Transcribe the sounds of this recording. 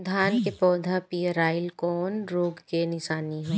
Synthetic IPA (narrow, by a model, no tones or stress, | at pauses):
d̪ʱaːnkepɔːd̪ʱapijəɾaːɪlkɔːnɾoːɡkenɪʃaːniɦõː